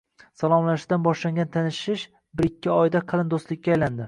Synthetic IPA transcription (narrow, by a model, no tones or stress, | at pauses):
salˠɒmlaʃd̪anbɒʃlaŋɡʲant̪ʰanɪʃɪʃ | bɪɾɪkʲːɪɒjd̪aqʰɑlˠɪnd̪ost̪lɪkʲːaːjland̪ɪ